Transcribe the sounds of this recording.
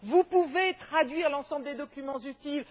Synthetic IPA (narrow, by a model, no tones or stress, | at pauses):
vupuvet̪χad̪ɥiʁlɑ̃sɑ̃bld̪ed̪ɔkʲymɑ̃zyt̪il